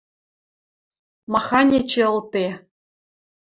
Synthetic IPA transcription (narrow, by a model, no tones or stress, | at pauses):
mɑxɑnʲet͡ɕeɤ̆lˠt̪e